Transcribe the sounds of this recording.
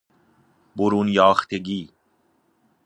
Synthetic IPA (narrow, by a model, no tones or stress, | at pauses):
boɾuːnjɑːxt̪eɡiː